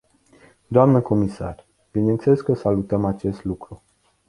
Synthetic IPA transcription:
d̪oamnəko̞misa̰r | b̥ineɨnt̪seleskəsalut̪əmat͡ʃe̞st̪lukɾu

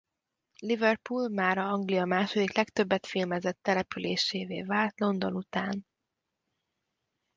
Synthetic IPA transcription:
livɛrpulmaːɾɒɒŋɡlijɒmaːʃo̞d̪iklɛkt̪ø̞bːɛt̪filmɛzɛt̪ːɛlɛpyleːʃeːvḛːvaːlt̪lo̞nd̪o̞nut̪aːn

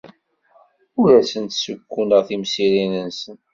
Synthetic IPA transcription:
ʊɾæsənt̪səkʷːunəʁθimsiɾinənsən

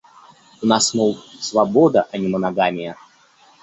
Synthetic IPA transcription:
ʊnasnowˠsvɐbod̪əʔɐnʲɪmənaɡamʲɪjə

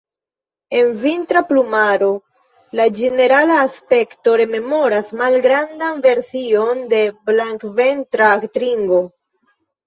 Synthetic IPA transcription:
e̞nvintɾaplumaɾo̞ | lad͡ʒe̞ne̞ɾalaːspe̞kto̞ɾe̞me̞mo̞ɾasmalɡɾandanve̞ɾsio̞nde̞blaŋkve̞ntɾaːktɾiŋɡo̞

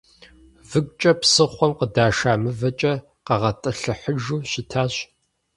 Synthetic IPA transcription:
vɨɡʷʼt͡ʃʼɐpsɨχʷɔmqədaːʃaːmɨvɐt͡ʃʼɐ | qɐʁɐtʼɨɬɨħəʒuːɕɪtʰaːɕ

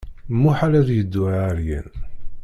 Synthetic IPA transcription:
muħalæðjəd̪ːuaɾjæ̰n

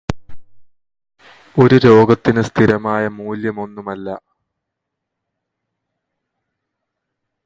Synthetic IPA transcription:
o̞ɾuɾo̞ːɡɐt̪ːinɨst̪ʰiɾɐmaːjɐmuːljɐmo̞nːumɐlːɐ

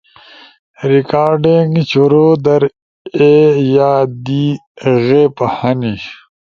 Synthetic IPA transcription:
ɾikaːɾɖiŋɡt͡ɕuɾod̪ɐɾ | ejaːd̪iɣepɐhɐni

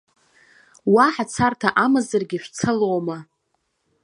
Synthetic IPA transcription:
waħat͡sʰartʰaʔamɨzarɡʲiʃᶣʷt͡sʰɨlowma

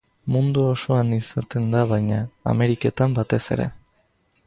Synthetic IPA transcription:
mund̪uoso̞anisat̪e̞nd̪aβajɲa̰ːme̞ɾike̞t̪ambat̪e̞se̞̰ɾe̞̰

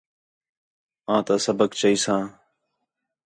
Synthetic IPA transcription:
ãːt̪aːsəbəkt͡ʃəiːsãː

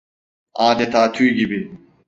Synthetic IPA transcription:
aːd̪ɛt̪ʰaːt̪ʰyjɟibɪ

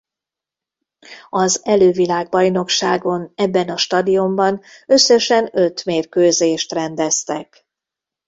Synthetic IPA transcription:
ɒzɛløːvilaːɡ̚bɒjno̞kʃaːɡo̞nɛbːɛnɒʃt̪ɒd̪ijombɒnø̞sːøʃɛnø̞t̪meːrkøːzeːʃt̪rɛnd̪ɛst̪ɛk

